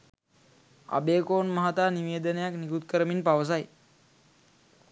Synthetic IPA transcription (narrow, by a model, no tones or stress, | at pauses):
a̰beːkoːnmaɦat̪aːniʋeːd̪ənəjaknikut̪̚kəɾəminpaʋəs̬aj